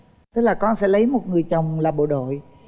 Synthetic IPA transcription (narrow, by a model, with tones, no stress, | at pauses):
t̪ɨ˦˥k̚laː˨˩kɔ˧nsɛ̰˧˥lə˨˦jmo˨˩t̚ŋɨ˨˩əjt͡ɕə˨˩wŋ͡mlaː˨˩ɓo̰˧˨ɗo̰˧˨j